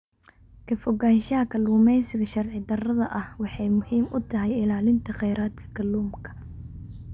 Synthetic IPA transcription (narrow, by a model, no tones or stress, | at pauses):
kʰɐfɔɣaːnʃɐɦɐkʰɐlːuːmɛjsɪɣɐʃɐrʕɪd̪ɐrɐðɐʔɐhwɑħɑjmʊhiːmʊt̪ʰɐɦɛjɪlaːlɪnt̪ʰɐqɛjɾaːd̪kʰɐ̥kʰɐlːuːmkʰɐ̥